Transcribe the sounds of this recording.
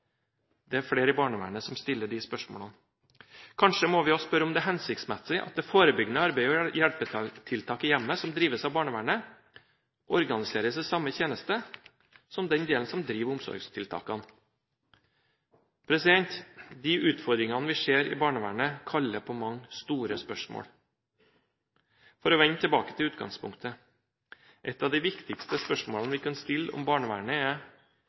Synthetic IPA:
d̪̥ɛæɾfɽeːɾəɪbɑːɳəʋæ̰ːɳəsɔmst̪ɪlːəɖɪspœʂmɔ̰ːlɑn | kʰɑnʂəmɔʋɪɔspœɾːəɔmd̪ɛɦɛnsɪk̚t̪smɛsɪʔɑ̰t̪̚d̪ɛfoːɾəbʏɡnəɑɾbæɪɔjæɽpət̪ʰɪlt̪ʰɑːkəjɛmːəsɔmd̪ɾiːʋəsɑʋbɑːɳəʋæːɳə | ʔɔɾɡɑnɪseːɾəsɛsɑmːəçeːnəst̪ə | sɔmd̪ɛnd̪eːln̩sɔmd̪ɾiːʋʊmsɔ̰ɾɡst̪ʰɪlt̪ʰɑ̰ːkɑn | pʰɾɛsɪd̪ɛnt̪d̪ɪʔʉːt̪fɔɾd̪ɾɪŋɑnəʋɪʂeːɾɪ̰bɑːɳəʋæ̰ːɳəkʰɑlːəpʰɔmɑŋːst̪uːɾəspœʂmo̰ːɽ | fɔɾɔʋɛnt̪ʰɪlbɑːkə̥t̪ʰɪlʉːt̪ɡɑ̰ŋspʰʊŋkt̪ʰə | ʔɛt̪ːɑːʋd̪ɪʋɪkt̪ɪkst̪əspœʂmoːlɑnʋɪkʰɑnst̪ɪlːɔ̰mbɑːɳəʋæ̰ːɳəɛ

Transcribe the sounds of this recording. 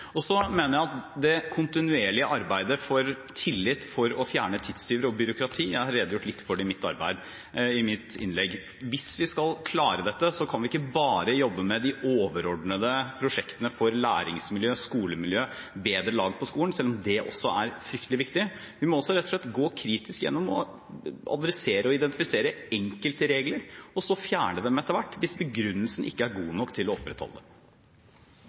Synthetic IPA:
ɔsɔmeːnəɾjæɪɑt̪d̪ɛkʰʊnt̪ɪnʉeːɭɪəʔɑɾbæɪd̪əfɔɾ | t̪ʰɪlːɪt̪ːfɔɾɔfjæːɳət̪ʰɪd̪st̪yːʋɾəɔbʏɾʊkɾɑt̪ʰiːjæɪhɑɾeːd̪əjʊʈːlɪt̪ːfɔɖɛɪmɪt̪ːɑ̰ɾbæ̰ɪd̪ | ɪmɪt̪ɪ̰nlɛɡː | ʋɪsʋɪskɑlkʰlɑːɾəd̪ɛt̪ːəsɔkʰɑnʋɪɪkːəbɑːɾəjɔbːəmɛd̪ɪoːʋəɾɔɖɳəd̪əpʰɾʊʂɛkt̪ənəfɔɾlæːɾɪ̰ŋsmɪljøːskuːləmɪljøːbeːd̪ɾəlɑːɡpʰɔskuːən̩sɛlːɔmd̪ɛʔɔ̰sːɔæɾfɾʏkt̪əlɪʋɪkt̪ɪ | ʋɪmɔɔsɔɾɛt̪ːɔ̥ʂɭɛt̪ːɡoːkʰɾiːt̪ɪskjɛ̰nːɔmɔ̰ | ɑ̰d̪ɾɛseːɾəɔɪd̪ɛnt̪ɪfɪseːɾəɛŋkəlt̪əɾeːɡləɾɔsɔfjæːɳəd̪ɛmɛt̪əɾʋæʈːʋɪsbəɡɾʉnːəlsən̩ʔɪ̰kːəæɾɡuːnɔkːt̪ʰɪlɔɔpɾɛt̪hɔ̰ləd̪ɛm

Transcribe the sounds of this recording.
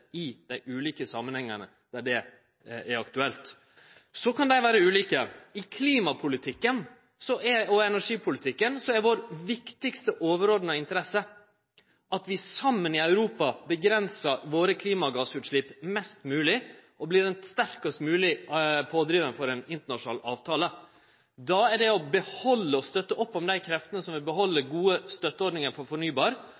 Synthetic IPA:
ɪd̪̥æɪʔʉːliːkəsɑmːənhɛŋːənə̰ | d̪̥æɖɛ | æɾɑk̚t̪ʉɛlt̪ | sɔkʰɑnd̪æɪʋæːɾəʉːliːkəɪkʰliːmɑpʰʊlɪt̪ʰɪkːən | sɔʔɛɔɛnæʂiːpʰʊlɪt̪ʰɪkːənsɔɛɾʋoɾʋɪkt̪ɪkst̪əʔoːʋəɾoːd̪ənəɪnt̪əɾɛsːə | ʔɑt̪ʋɪsɑmːənɪœʉɾuːpɑbəɡɾɛnsəʋoːɾəkʰliːmɑɡɑːsʉːt̪ʂɭɪpmɛst̪mʉːlɪʔɔblɪːɾɛnst̪æɾkəst̪mʉːlɪpʰoːd̪ɾiːʋənfɔɾɛnɪnt̪əɳɑʂʊnɑːlɑːʋt̪ʰɑːlə | d̪ɑɛɖɛɔbəhɔlːəɔst̪œt̪ːəʔɔpːɔmd̪æɪkʰɾɛft̪ənəsɔmʋɪbəɦɔlːəɾɡuːəst̪œt̪ːəɔɾɖnɪŋəɾfɔɾfɔɳyːbɑːɾ

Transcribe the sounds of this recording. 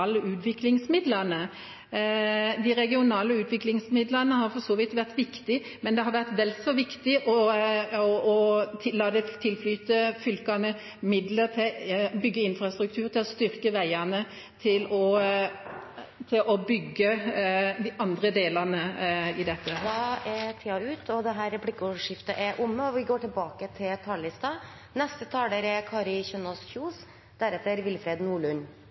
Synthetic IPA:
ləʔʉːt̪ʋɪklɪŋsmɪd̪lənə | d̪ɪɾɛɡɪʊnɑːləʉːt̪ʋɪklɪŋsmɪd̪ləʁnəhɑɾfɔsɔːʋiːt̪ʋæʁt̪ʋɪkt̪ɪ | mɛnd̪ɛɦɑɾʋæʁt̪ʋɛlsɔʋɪkt̪ɪʔɔɔɔt̪ʰɪlːɑːd̪ɛt̪ʰɪlflyːt̪əfʏlkɑnə | mɪd̪lət̪ʰɪbʏɡːəɪnfɾɑst̪ɾʉk̚t̪ʰʉːɾt̪ʰɪlɔst̪ʏɾkəʋæɪɑnə | t̪ʰɪlɔ | t̪ʰɪlʔɔbʏɡːəd̪ɪʔɑnd̪ɾəd̪eːlɑnəɪd̪ɛt̪ːəd̪ɑɛɾt̪ʰiːɑʉːt̪ʰɔd̪ɛɦæːɾɛpɽɪkːʊʂɪft̪əʔɛɾʔʊmːəɔʋɪɡoːʈʰɪlbɑːkət̪ʰɪlt̪ʰɑllɪst̪ɑ | nɛst̪ət̪ʰɑːld̪əɾɛɾkʰɑːɾɪçœnɔsçuːs | d̪̥æɾɛt̪ːəɾʋɪlfɾeːd̪nuːɭʉnː

